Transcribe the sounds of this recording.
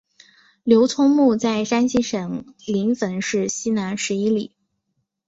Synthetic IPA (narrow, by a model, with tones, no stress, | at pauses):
ljo˧˥ʊt͡sʰʊ˥ŋmu˥˧t͡sa˥˩ɪʂa˥nɕi˥ʂɤ˨˩ŋli˧˥ŋfə˧˥nʂɻ̩˥˩ɕi˥na˧˥nʂɻ̩˧˥i˥li˨˩˦